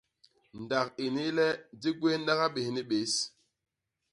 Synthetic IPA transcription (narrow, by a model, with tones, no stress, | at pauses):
n˨da˨ki˨ni˦lɛ˦di˦ɡwe˦n˦ɗa˦ɣa˦ɓe˨hni˦ɓe˨˦s